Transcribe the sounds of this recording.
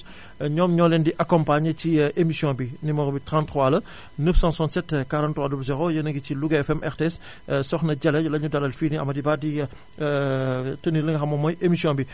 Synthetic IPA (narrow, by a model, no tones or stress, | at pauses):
ɲɔːmɲɔːlɛndiʔakɔmpaɲəciʔemisjɔ̃binimɔɡbitɾãntɾwalɐ | nəfsãːsãntsɛtːkaɾãntːɾwaːdublzɛɾojɐnɐŋɡit͡ʃiluɡɛfɛmʔɛɾtɛs | sɔxnɐɟɐlɛlɐɲudɐlɐlfiniɐ̰mɐdibaːdi | təniləŋɡɐxɐmɔmɔjʔemisjɔ̃bi